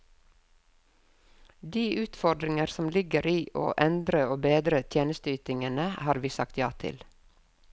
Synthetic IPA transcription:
d̪iːʔʉːt̪fɔɾɖ̪ɾɪŋəɾsɔmlɪɡəɾiːʔo̰ːʔɛnd̪ɾəoːbeːd̪ɾət̪ʰjeːnəst̪əyːt̪ɪŋənəhɑːɾʋiːsɑkt̪jɑ̰ːt̪ʰɪ̰l

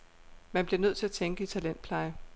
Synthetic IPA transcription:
mænb̥leɐnøð̰ˠt͡sʰe̝æt͡sʰeŋɡ̥əit͡sʰælen̰d̥̚pʰlɑ̈ɪə

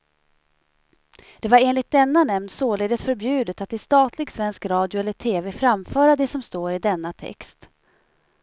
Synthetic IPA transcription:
d̪̥ɛvaɾeːnlɪt̪̚d̪ɛnːanɛmnsoːleːd̪ət̪fœɾbjʉ̟ːd̪ət̪at̪̚d̪ɛst̪ɑːt̪lɪɡsvɛnskɾɑːd̪jʊɛlːəʈʰeːveːfɾamfœːɾad̪ɛsɔmst̪oːɾɪd̪ɛnːat̪ʰɛ̰kst̪

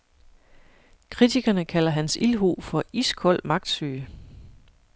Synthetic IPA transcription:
kʰʁit͡sʰiɡ̥ɐnəkʰæl̰ɐɦænsilɦo̰ːfɒ̽iskʰɒ̽l̰mɑ̈ɡ̥̚d̥sy̰ː

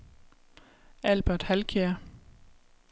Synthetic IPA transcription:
ælb̥æd̥hælkʰeɐ

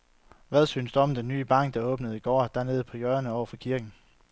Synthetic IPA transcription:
ʋæð̞ˠsy̰ːnsd̥uɒ̽md̥enːy̰ːb̥ɑ̈ŋ̰ɡ̥̚d̥ɑ̈ɔ̽ːb̥nəð̩ˠiɡ̥ɒ̰ːd̥æɐne̝ːð̞̩ˠpʰɒ̽jœɐnəɒʊ̰ɐfɒ̽kʰiɐɡ̥n̩

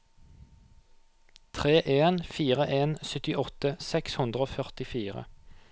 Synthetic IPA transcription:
t̪ʰʁeːʔeːnfiːʁəʔeːnsʏt̪ɪʔɔt̪əsɛkshʉnd̪ʁəoːfœʁt̪ɪfiːʁə̰

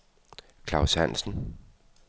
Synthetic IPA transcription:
kʰlɑ̈ʊsæn̰sn̩

